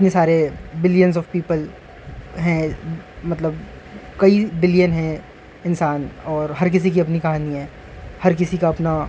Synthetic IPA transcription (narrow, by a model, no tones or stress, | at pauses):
ɪt̪nesaːɾebɪlijənzɔːʋpiːpəl | ɦɛ̃mɐt̪ləb | kɐibɪljənɦɛ̃ | ɪnsaːnɔːɾɦɐɾk̬ɪs̬ik̬iɐpnikɐɦaːniɦɛ̃ː | hɐɾk̬ɪsikaɐpna